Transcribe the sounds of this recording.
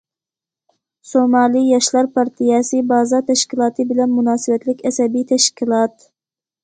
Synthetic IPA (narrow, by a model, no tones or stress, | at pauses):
somɑːlijɑʃlˠɑɾpʰɑɾt̪ʰijɛsɨbɑːzɑt̪ʰɛʃkʲilˠɑːt̪ʰɨbɪlɛnmunɑːsɨwɛt̪lɪkʲɛsɛbit̪ʰɛʃkʲilˠɑt̪